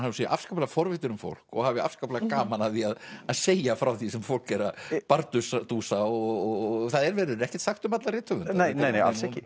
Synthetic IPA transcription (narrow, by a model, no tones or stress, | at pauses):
nhaʏseːjʔafskaplaɣfɔɾvɪt̪ʏɾʏmfo̰wl̥kɔ̰ɣavɪa̰fskaplaɣkaːmanaθiaðaðseːjafɾawθisɛmfowl̥kɛɾapaɾt̪ʏsat̪uːsaɔɔθaðɛɾvɛːɾʏɾɛhcɛ̥t̪saxt̪ʏmat̪laɾɪːt̪ʰœʏðʏneneːjneja̰lsɛhcɪ